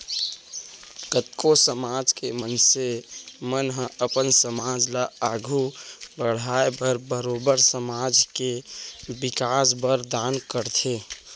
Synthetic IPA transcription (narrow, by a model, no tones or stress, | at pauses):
ɡət̪kosəmaːd͡ʒkemənsemənɦə̃əpənsəmaːd͡ʒlaaːɡʱubəɽ̤aːebəɾbəɾoːbəɾsəmad͡ʒkebɪkaːsbəɾd̪aːnkəɾt̪ʰe